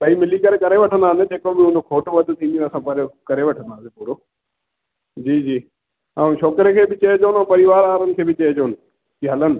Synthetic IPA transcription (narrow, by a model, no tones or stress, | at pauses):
bɐimɪlikɐɾekɐɾeʋɐʈʰənd̪aːnɪd͡ʑeːkobɪɦʊ̃nd͡ʑokʰoːʈʋɐd̪t̪ʰĩnd̪ĩɐsãpɐɾjokɐɾeʋɐʈʰə̃nd̪ʱaːsẽpuːɾoː | d͡ʑiːd͡ʑiː | ãːʃɔːkɾekʰeːbɪt͡ɕɐed͡ʑoːnɪ̃ːpɐɾiʋaːɾaːɾənɪ̆kʰeːbɪt͡ɕɐed͡ʑoːnɪ̆ | kiɦɐlənɪ̆